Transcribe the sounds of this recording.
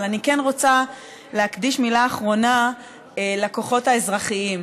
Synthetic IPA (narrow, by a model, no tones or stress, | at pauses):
lanikenʁo̞t͡sa | leakd̪iʃmilaːχʁo̞na | elako̞χo̞thaezʁaχiim